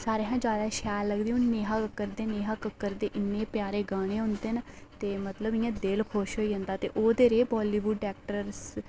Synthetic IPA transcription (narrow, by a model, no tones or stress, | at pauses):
saːɾeːɦãːd͡ʒaːd̪aːʃɛːlːəɡd̪eːũːnneːɦaːkəkːəɾd̪eːneːɦaːkəkːəɾd̪eːʔɪnːeːpjaːɾeːɡaːɽ̃eːɦʊnd̪eːnt̪eːmət̪ləbɪjãːd̪elkʰoːʃɦoːiːɦə̃ːnd̪aːt̪eːʔoːd̪eːɾeːbɔːliːʋuɖɖɛːk̚ʈəɾs